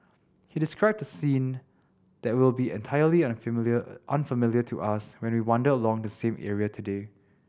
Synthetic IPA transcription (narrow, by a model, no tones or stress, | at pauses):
hidɪskɹaɪb̚dəsĩn | d̥ɛt̚wɪlˠbiɛ̰̃ntʰaɪjəlĩnʔãnfəmɪljətʰuʔaswɛ̃nwiwɔ̃ndəəlɔ̃ŋdəsẽmʔɛ̰ɹiətʰude